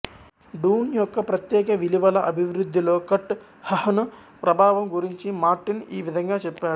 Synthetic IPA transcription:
ɖuːnjɔkːɐpɾɐt̪jeːkɐʋiliʋɐlɐʔɐbʱiʋɾud̪ʱːiloːkɐʈː | hɐhɐnu | pɾɐbʱaːʋɐmɡuɾiɲt͡ʃimaːɾʈiniːʋid̪ʱɐŋɡaːt͡ʃɛpːaːɽu

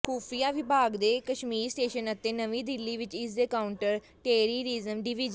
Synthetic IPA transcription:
kʰuːpʰijaːʋɪbʱaːɡd̪eːkəʃmiːɾsʈeːʃənət̪ẽːnəʋĩːd̪ɪlːiːʋɪt͡ʃɪseːkaːʊɳʈəɾ | ʈeːɾiːɾizəmɖɪʋɪd͡ʒə

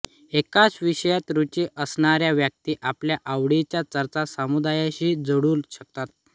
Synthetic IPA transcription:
ekat͡sʋiɕəjat̪ɾut͡ɕiʔəsɳaɾjaʋjək̚t̪iːʔapljaʔaʋɽit͡ɕjat͡səɾt͡sasamud̪ajaɕiːd͡zəɽuːlɕək̚t̪at̪̚

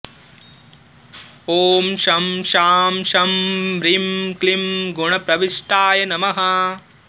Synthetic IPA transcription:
oːmʃɐmʃaːmʃɐmɾimklimɡuɳɐpɾɐʋiʂʈaːjɐnɐmɐɦɐ

